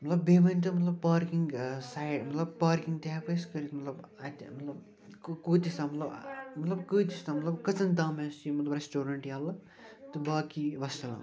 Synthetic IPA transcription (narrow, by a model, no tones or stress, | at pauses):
mɐt̪lɐbːeːʋɐnʲt̪ɐmɐt̪lɐb̚paːɾkiŋɡsajɖmɐt̪lɐb̚paːɾkĩŋɡt̪ʲaːpɐskɐɾit̪mɐt̪lɐbɐt̪ʲmɐt̪lɐb | kuːt̪ist̪aːmɐt̪lɐbmɐt̪lɐbkɨːt̪ist̪aːmɐt̪lɐbkɐt͡sɐnd̪aːmest͡ʃimɐt̪lɐbɾesʈoːɾɐɳʈjaːlɐ | t̪ɨbaːkiʋɐst̪ɐla̰ː